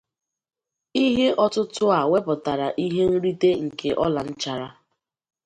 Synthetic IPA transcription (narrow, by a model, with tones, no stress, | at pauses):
i˦ɦe˦ʔɔ˦tʊ˦tʊ˦a˨we˦pɔ˨ta˨ɾa˨ʔi˦ɦe˦n̩˦ɾi˦de˦ŋ̩˨ke˨ʔɔ˦la˨n̩˦t͡ʃa˨ɾa˦